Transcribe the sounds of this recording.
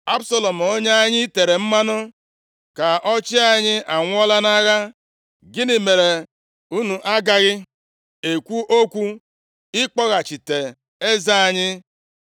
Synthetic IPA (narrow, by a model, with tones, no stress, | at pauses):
a˦bsa˦lo˨m̩˨o˦ɲa˦a˦ɲɪ˦te˨ɾe˨m̩˦ma˦nʊ˦ | ka˨ɔ˦t͡ʃɪ˦a˨ɲɪ˦a˨ŋʷ˦ɔ˦la˦na˦ɣa˦ | ɡɪ˦ni˨me˨ɾe˨ | u˦nu˨ʔa˦ɡa˨ɣɪ˦ | e˨kʷu˦ʔo˦kʷu˦ | ɪ˦k͡pɔ˦ɣa˨t͡ʃi˨te˨ | e˦za˦a˨ɲɪ˦